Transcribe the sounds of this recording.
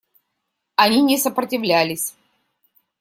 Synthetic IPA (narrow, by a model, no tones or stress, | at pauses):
ɐnʲinʲɪsəpɾətʲɪvlʲælʲɪsʲ